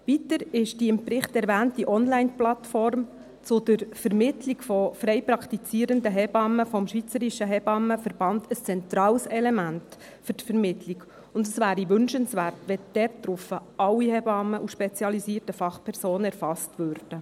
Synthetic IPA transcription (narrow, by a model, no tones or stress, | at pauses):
vitəɾɪʃd̥iɪmpɾɪχtɛɾʋæːntiʔɔnlæɪnplɑt̪fɔrm | t͡sʊdəɾfɛɾmɪtlikfɔfɾɛɪpɾɑkt̪it͡siːɾəndəɦɛbɑmːəfɔmʃʋit͡səɾiʃəɦɛbɑməfəɾb̥ɑntəst͡sɛnt̪ɾɑːwsɛlɛmænt | fʏɾtfɛɾmɪtʰlik | ʊndəsʋæːɾiʋʏnʃənsʋæːrtʋɛd̥ɛrtːɾʊfəɑwihɛbɑmːəʔuʃpɛt͡siɑlisiːtəfɑχpʰɛɾsoːnəɛɾrfɑstʋørd̥ə